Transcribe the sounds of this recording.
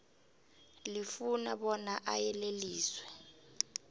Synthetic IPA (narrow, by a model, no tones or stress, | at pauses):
lifunaɓɔnaʔajɛleliːswɛ